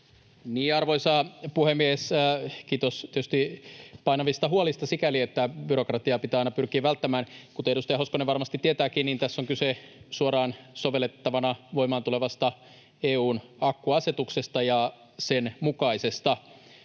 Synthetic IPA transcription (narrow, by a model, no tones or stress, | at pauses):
niːɑrʋo̞isɑpuhemːieskiːt̪ost̪ietyst̪ipɑinɑʋist̪ɑɦuolist̪ɑsikæliet̪ːæbyrokrɑt̪iɑpit̪ɑinɑpyrkiːʋælt̪ːæmæːnkut̪eedust̪ɑjɑhoskoneʋɑrmɑst̪it̪ːiet̪æːkiːnniːnt̪æsːoŋkysesuorɑːnsoʋelːet̪ːɑʋɑnɑʋo̞imˑɑːnt̪uleʋɑst̪ɑ | eːuːnɑkːuɑset̪uksest̪ɑjɑ | senmukɑise̞st̪ɑ